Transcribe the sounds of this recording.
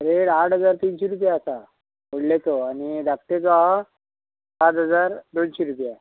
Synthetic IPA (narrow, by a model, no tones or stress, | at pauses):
ɾeɽaʈʰɦəd͡zaɾt̪inɕeɾup̬jaːsa | moɽlet̪oanid̪ak̚t̪et͡saɦa | sat̪ɦəd͡zaɾd̪onɕeɾupja